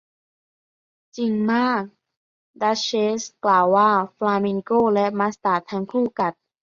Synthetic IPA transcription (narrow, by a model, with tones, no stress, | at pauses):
t͡ɕi˨˩ŋmaː˥˩k̚ | da˦˥ɕeː˦˥sklaː˨˩wːaː˥˩flaː˧mi˧ŋkoː˥˩˨lɛ˦˥ʔma˦˥st̪aː˨˩t̪ʰa˧˥ŋkʰuː˥˩ka˨˩t̪̚